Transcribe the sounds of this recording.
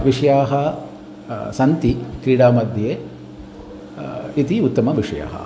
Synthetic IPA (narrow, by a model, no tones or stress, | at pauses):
ʋiʂɐjaːɦɐ | sɐnt̪ikɾiːɽaːmɐd̪ʱjɐjeː | it̪iut̪ːɐmɐʋiʂɐja̰ːɦɐ̰